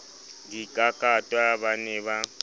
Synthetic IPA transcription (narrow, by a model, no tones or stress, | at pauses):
dikʼakʼatʼwabanɛba